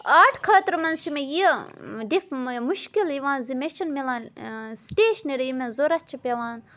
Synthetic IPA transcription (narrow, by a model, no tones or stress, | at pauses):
aːʈʰkʰaːt̪ɾmɐnzʃʰimejiɖifmuʃkiliʋãːnzimeʃɐnmilãːnsʈeːʃniɾjimezoɾɐt̚t͡ʃʰipʲeʋaːn